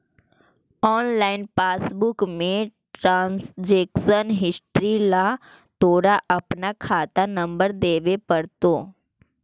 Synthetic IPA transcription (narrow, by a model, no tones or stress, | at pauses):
ɔːnlaːɪnpaːsbʊkmẽʈɾãːnsd͡ʒeːkʃənɦɪsʈɾila | t̪oːɽaʔɐpnakʰaːt̪anɐ̃mbəɾd̪eːʋepɐɾt̪oː